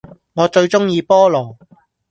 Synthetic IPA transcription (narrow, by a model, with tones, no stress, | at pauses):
ŋɔː˨˧t͡ʃɵ˧ɥt͡ʃʊ˥ŋjiː˧pɔː˥lɔː˨˩